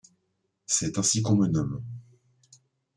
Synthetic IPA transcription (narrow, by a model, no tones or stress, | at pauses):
sɛt̪ɛ̃sikɔmɛ̃nɔm